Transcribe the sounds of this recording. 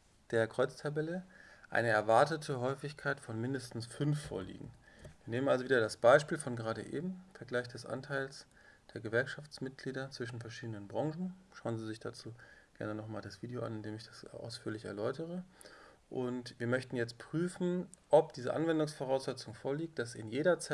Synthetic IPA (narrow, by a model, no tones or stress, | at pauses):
d̥eːɐkʁ̥ɔʏt͡stʰabɛləʔa̰ɪnəɛɐvaɐtətʰəɦɔʏfɪçkʰaɪtfɔnmɪndəstn̩sfʏnfːo̰ːɐlḭːɡŋ̩viːɐneːmənʔalzoviːdɐdasb̥aɪʃpiːlfɔnɡəʁaːɾə̰ʔḛːbm̩fɛɐɡlaɪçd̥ɛsʔa̰ntʰaɪls | d̥eːɐɡəvɛɐkʃaft͡smɪt̚ɡ̥liːdɐt͡sv̥ɪʃn̩fɛɐʃiːdənənbʁɔŋʒn̩ʃaʊənziːzɪçd̥a̰t͡suːɡ̥ɛ̰ɐnənɔχmaːldasv̥iːdəoʔa̰nɪndeːmɪçd̥asʔa̰ʊsfyːɐlɪçɛ̰ɐlɔʏtəʁə | ʔʊntv̥iːɐmœçtn̩jɛt͡st̚pʁ̥yːfn̩ | ʔɔp̚d̥iːzə̰ʔa̰nvɛndʊŋsfɔʁaʊsz̥ɛt͡sʊŋfoːɐliːk̚td̥asɪnjeːɾɐt͡s